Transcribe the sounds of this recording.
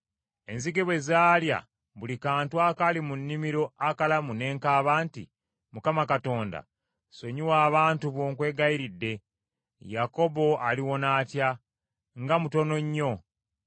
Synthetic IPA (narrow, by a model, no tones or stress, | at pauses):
e̞̰nziɡeβwe̞zaːlja̰ | βulikaːntwakalimunːimiɾo̞akalamune̞ːŋkaːβaːntḭ | mukamakato̞ːnda̰ | so̞ɲiwaːβaːntuβoːŋkwe̞ːɡaiɾidːe̞ | jako̞bo̞aliwo̞naːtja | ŋɡamuto̞no̞ɲːo̞